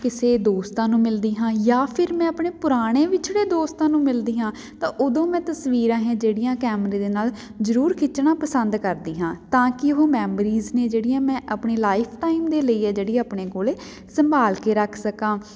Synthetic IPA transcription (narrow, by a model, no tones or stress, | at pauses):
kɪseːd̪oːst̪ãːnũːmɪld̪iːɦãːjaːpʰɪɾmɛ̃ːəpɳeːpʊɾaːɽ̃eːʋɪt͡ʃʰɽeːd̪oːst̪ãːnũːmɪld̪iːɦãː | t̪ãːʔod̪õːmɛ̃ːt̪əsʋiːɾãːɦɛ̃ːd͡ʒeːɽɪjãːkɛːməɾẽːd̪eːnaːl | zəɾuːɾkʰɪt͡ʃːɳ̃ãːpəsənd̪kəɾd̪iːɦãːt̪ãːkɪɦoːmɛːmɾiːzneːd͡ʒeːɽɪjãːmɛ̃ːʔəpɳeːlaːɪpʰʈaːɪmd̪eːləiːɛːd͡ʒeːɽiːaːpɳeːkoːleː | səmbaːlkeːɾəkʰsəkãː